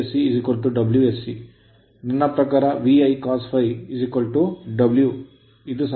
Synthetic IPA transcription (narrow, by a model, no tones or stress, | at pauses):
siːzikʋɐlʈuɖɐbljuesːi | ninːɐpɾɐkaːɾɐʋiɐjkaːspʰɐjizikwɐlʈuɖɐblju | id̪us